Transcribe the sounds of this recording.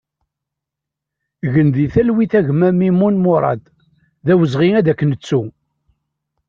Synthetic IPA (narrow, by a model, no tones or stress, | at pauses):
ɣənd̪iθælwiθæʝmæmimunmʊɾˤɑ̰d̪ | ðæwəzʁinæðækːənət͡sːu